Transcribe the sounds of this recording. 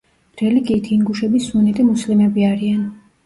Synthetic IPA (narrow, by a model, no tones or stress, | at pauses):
ɾɛliɡiːt̪ʰiːŋɡuʃɛbisunɛt̪ʼimuslimɛbiaɾian